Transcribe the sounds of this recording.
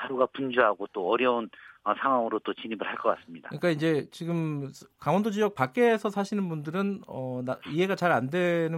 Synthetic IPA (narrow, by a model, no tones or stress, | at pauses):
haɾuɡapund͡ʑuɦaɡot͈oʌɾjʌunʌsʰaŋɦwaŋɯɾot͈ot͡ɕiɲibɯɭhaɭk͈ʌk͈as͈ɯmɲida̰kɯik͈aind͡ʑe̞t͡ɕiɡɯmkawʌndod͡ʑijʌk̚pak͈e̞ːsʰʌsʰaɕʰinɯnbundɯɾɯnʌnaiɦe̞ɡat͡ɕaɾandwe̞nɯ